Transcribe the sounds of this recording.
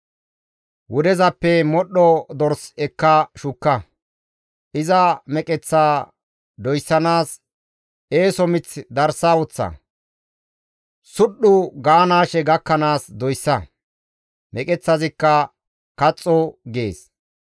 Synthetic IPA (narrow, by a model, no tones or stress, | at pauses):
wʊd̪ɛzɐpːɛmɔɗːɔd̪ɔɾsɛkːɐʃʊkːɐ | ʔɪzɐmɛkʼɛt͡sːaː | d̪ɔjsːɐnaːs | eːsɔmɪt͡sːd̪ɐɾsaːwɔt͡sːɐ̰ | sʊɗːʊɡaːnaːʃɛɡɐkːɐnaːsd̪ɔjsːɐ | mʔɛkʼɛt͡sːɐzɪkːɐ | kɐt͡sʼːɔɡḛːs